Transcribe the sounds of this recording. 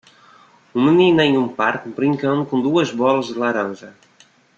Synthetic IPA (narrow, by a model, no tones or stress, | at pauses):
umɨninɛjũmpaɾkbɾĩŋkɐnukõnd̪uɐzβɔlˠɐzd̪əlaɾɐ̃nʒɐ